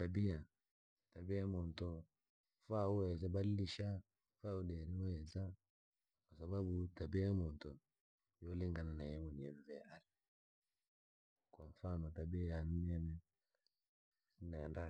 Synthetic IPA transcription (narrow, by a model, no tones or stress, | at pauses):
tabia | tabiamɔntɔ | faɔɛzabaliliʃa | faudɛɾiɔɛza | kwasababutabiaamɔntɔ | jɔliŋɡananajɛmɔniɛɱvɛaɾi | kwaɱfanɔtabiajaniɛnɛ | sinanda